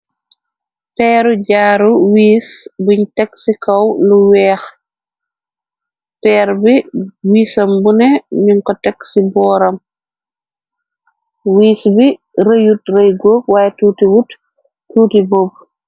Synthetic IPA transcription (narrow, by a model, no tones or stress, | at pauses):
pɛːɾuɟaːɾuwiːsbuɲtɛksikɐwluwɛːx | pɛːɾbiwiːsɐmbunɛɲiŋkɔtɛksibɔːɾɐm | wiːsbi | ɾəjutrəjɡoːkwaːjɛtuːtiwut | tuːtibob̚